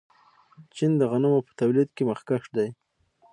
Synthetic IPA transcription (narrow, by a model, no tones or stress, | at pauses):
t͡ʃind̪əɣanamopə̥t̪awlid̪keməxkaʂd̪aj